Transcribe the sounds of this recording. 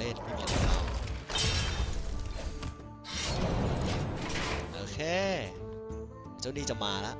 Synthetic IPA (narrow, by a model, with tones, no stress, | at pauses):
le˥˩npʰiː˥˩mi˧˦t̪ʰa˧˩ka˧˩w | ʔoː˧kʰeː˧˩ | t͡ɕa˥˩niː˦˥˩t͡ɕa˨˩maː˧la˦˥ʔ